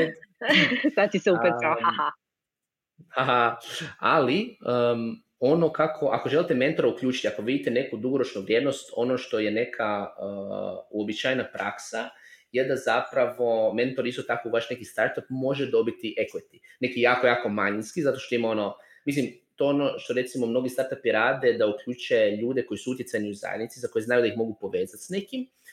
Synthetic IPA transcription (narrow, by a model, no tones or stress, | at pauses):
sat̪t̪iseupeahaha | haɦaaliə | o̞no̞kakʰo̞ʔako̞ʒe̞lit̪eme̞nt̪o̞ɾaukʎʲuːt͡ʃi̥t̪ʲiako̞ʋid̪it̪ene̞kud̪uɡo̞ɾot͡ʃnuʋɾʲjeːd̪no̞st̪o̞no̞ʃt̪o̞je̞ne̞kʰaə̰ːuobit͡ʃaːjnapɾaksajed̪azapɾaʋo̞me̞nt̪o̞ɾist̪o̞t̪akouʋaʃne̞kist̪aɾt̪ap̚mo̞ʒed̪o̞bit̪iʔe̞ket̪i̥ne̞kijaːkojaːko̞maɲinskizat̪o̞ʃt̪o̞imo̞no | mis̬limt̪o̞ono̞ʃt̪o̞ɾe̞t̪simo̞mno̞ɡist̪aɾt̪apiɾaːd̪e̞d̪aukʎʲuːt͡ʃe̞ʎuːd̪e̞ko̞jisuut̪jesajniuza̰jed̪nit̪izako̞jeznajud̪aixmo̞ɡupo̞ʋeːzat̪sne̞kim